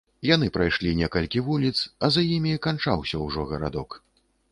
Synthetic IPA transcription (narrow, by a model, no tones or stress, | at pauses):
janɨpɾajʂlʲinʲɛkɐlʲkʲivulʲit̪sɐzajimʲikant͡ʂawsʲɐwʐɔɣɐɾa̰d̪ɔk